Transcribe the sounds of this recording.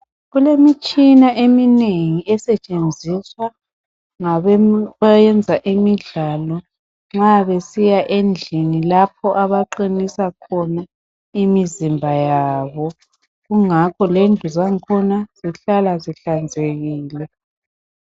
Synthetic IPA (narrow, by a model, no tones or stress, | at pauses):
ɣulemit͡ʃʼinaʔemineŋiɛsɛt͡ʃʼend͡zʱiswa | ŋaβajɛnd͡zʱaʔimiɮalɔ | ŋ͡ǁaβesijaʔend͡ɮʱinilapʰɔʔaβaǃinisakʰɔna | imizimbʱajaːβɔ | ɣuŋakʰɔlendʱuzaŋkʰɔnaz̥iɬalaziɬand͡zʱeɣiːlɛ